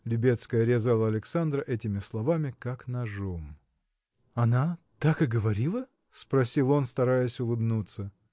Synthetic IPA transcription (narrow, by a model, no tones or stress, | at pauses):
lʲʊbʲe̞t̪skəjɐɾʲɪzalˠəɐlʲɪksand̪ɾəʔɛtʲɪmʲɪslˠɐvamʲɪkaknɐʐom | ɐna | t̪akɨɡəvɐɾʲilˠə | spɾɐsʲilˠo̞nst̪ɐɾajəsʲʊlˠɨbnut̪sə